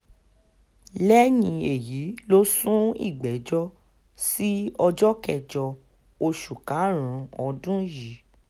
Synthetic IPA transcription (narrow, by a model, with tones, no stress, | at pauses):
lɛ˦jĩ˧e˨ji˨˦lo˦sũ˦ḭ˦˨ɡ͡bɛ˨˦d͡ʒɔ˦ | si˦ɔ˧d͡ʒɔ˦kɛ˦˨d͡ʒɔ˧ | o˧ʃu˨ka˨˦ɾ̃ũ˨˦ɔ˧dũ˦ji˨˦